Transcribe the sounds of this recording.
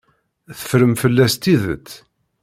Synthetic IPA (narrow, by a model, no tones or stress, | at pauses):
θə̥fɾəmfəlːæst̪iðə̰t͡s̪ː